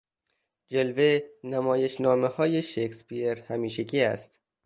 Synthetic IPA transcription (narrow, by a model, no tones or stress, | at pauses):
d͡ʒelvenæmɒːje̞ʃnɒːmehɒːje̞ʃekspieɾhæmiːʃekʰiːæ̰st̪